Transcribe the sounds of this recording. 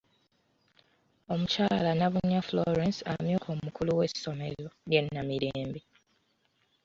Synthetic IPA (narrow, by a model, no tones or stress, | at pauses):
o̞mucaːlanaβuɲːafloɾensa̰mjuːkʰomukʰuluwe̞si̥so̞mezojjenːamiɾeːmbi